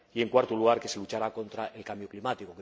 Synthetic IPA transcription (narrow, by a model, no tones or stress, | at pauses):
ie̞ŋkwaɾt̪uluɣ̞aɾke̞se̞lut͡ʃaɾako̞nt̪ɾaʔelkambjoklimat̪ikoke